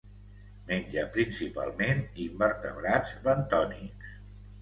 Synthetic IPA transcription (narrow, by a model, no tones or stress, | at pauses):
menʲʒəpɾinsipa̰lˠmenimbəɾt̪əβɾad͡zβənt̪ɔniks